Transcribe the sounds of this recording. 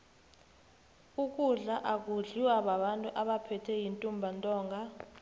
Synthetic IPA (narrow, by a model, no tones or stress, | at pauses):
uk̬ʼuɮaʔak̬uɮiwaɓaɓantʼuʔaɓapʰɛtʰɛjintʼumbʱantʼɔːŋɡʱa